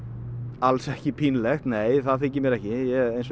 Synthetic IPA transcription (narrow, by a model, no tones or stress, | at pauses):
alsɛhcɪpʰinlɛxt̪neːjθaðθɪɲcɪɾmjɛɾɛhcɪjɛɣejns